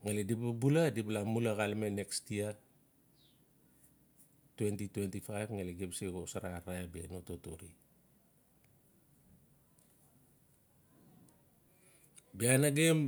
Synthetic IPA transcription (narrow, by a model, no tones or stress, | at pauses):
ŋalidibabuladibalamulaɣalmene̞kstia | twentitwentifajvŋaliɡebseɡosaɾaɾaebenototoɾḭ | bianaɡem